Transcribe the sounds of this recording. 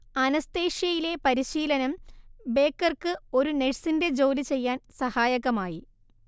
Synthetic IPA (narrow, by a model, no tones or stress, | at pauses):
ɐnɐst̪e̞ːʂjɐjile̞pɐɾiɕiːlɐnɐmbe̞ːkːɐrkɨo̞ɾuneɻsinde̞d͡ʑo̞ːlit͡ɕe̞jːaːnsɐhaːjɐɣɐmaːji